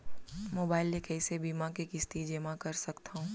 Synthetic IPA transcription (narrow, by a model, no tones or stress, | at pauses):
moːbaːɪlekɛːsebiːmãkikɪst̪id͡ʒeːmãkɐɾsɐkt̪aɦũː